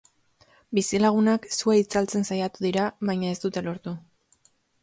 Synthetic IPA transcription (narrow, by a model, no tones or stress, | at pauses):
bisilaɣ̞unaksueit͡salt͡se̞nsajat̪uðiɾaβajɲae̞st̪ut̪e̞lo̞ɾt̪u